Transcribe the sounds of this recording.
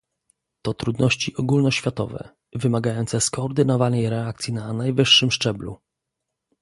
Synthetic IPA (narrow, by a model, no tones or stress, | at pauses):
t̪ɔt̪ɾud̪nɔɕt͡ɕiʔɔɡulnɔɕfʲjat̪ɔ̰vɛ̰ | vɘmaɡajɔnt̪sɛskɔːɾd̪ɘnɔvanɛjɾɛakt̪sʲjinanajvɘʂːɘmʂt͡ʂɛblṵ